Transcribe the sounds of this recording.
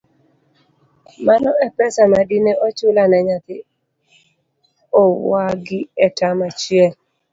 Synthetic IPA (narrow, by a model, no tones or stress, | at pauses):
manɔɛpɛsamadineot͡ʃʊlanɛɲat̪ɪ | ɔwaɡɪɛtamat͡ʃiɛl